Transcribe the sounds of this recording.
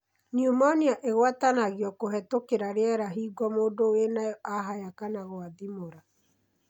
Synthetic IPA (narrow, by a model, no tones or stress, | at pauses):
niumɔniaʔeɣwatanaɣiɔkoɦɛtokeɾaɾeɛɾaɦiːɡɔmoːdowenaɔʔaɦajakanaɣwaðimoɾa